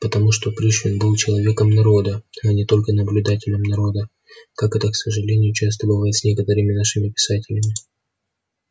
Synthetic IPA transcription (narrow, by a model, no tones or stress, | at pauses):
pət̪ɐmuʂt̪o̞pɾʲiʂvʲɪnbɨlˠt͡ɕɪlˠɐvʲe̞kəmnɐɾo̞d̪əanʲɪt̪o̞lʲkənəblʲʉd̪atʲɪlʲəmnɐɾo̞d̪ə | kakɛt̪əksəʐɨlʲenʲɪjʊt͡ɕast̪əbɨvajɪt̪sʲnʲe̞kət̪əɾɨmʲɪnaʂɨmʲɪpʲɪ̥satʲɪlʲɪmʲɪ